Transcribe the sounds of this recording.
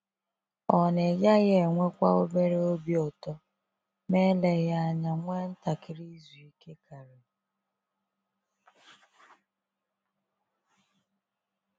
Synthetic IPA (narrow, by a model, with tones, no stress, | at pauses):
ɔ˨ne˨ja˦ɣe˦˨ŋʷe˦kʷa˦o˦be˦ɾe˦o˦bi˦ɔ˨tɔ˦ | me˦le˨ɣa˦a˦ɲa˨ŋʷe˦n̩˦ta˨kɪ˨ɾi˦zu˨i˨ke˦kʰa˨ɾe˨